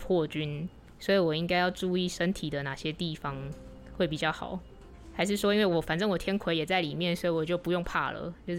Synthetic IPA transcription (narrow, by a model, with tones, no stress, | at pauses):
pʰwɔ˥˩t͡ɕy˥n | swɔ˧˥i˨˥wɔ˨˩i˧˥ŋka˥ɪjɑ˥˧ʊʈ͡ʂu˥˧i˥˩ʂə˦nt̪ʰi˨˩d̪ə˦na˨˩ɕjɛ˦t̪i˥˩fɑ˨ŋ | xwe˥˩ɪpi˨˩t͡ɕjɑ˥˩ʊxɑ̰˨˩˦ʊ | xa˧˥ɪʂ̬ɻ̩˥˩ʂwɔ˥i˥nwe˥˩wɔ˨˩fa˨˩nʈ͡ʂɤ˥ŋwɔ˨˩t̪ʰjɛ˥nkʰwe˧˦ɪjɛ˨˩t͡sa˥˩ɪli˨˩mjɛ˥˨nswɔ˧˥i˨˩wɔ˨˩t͡ɕjo˥˩ʊpu˧˦jo˥˧ŋpʰa̰˥˩lə̰˩t͡ɕjo˥˧ʊ˥